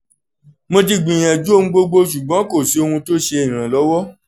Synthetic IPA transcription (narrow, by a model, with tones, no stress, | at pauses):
mo˧ti˧ɡ͡bĩ˨j̃ã˨d͡ʒu˦o˦˧ũ˦ɡ͡bo˧ɡ͡bo˧ʃu˨ɡ͡bɔ̃˨˦ko˦˨si˨˦o˧hũ˧to˦ʃe˧ĩ˨ɾ̃ã˨lɔ˨˦wɔ˦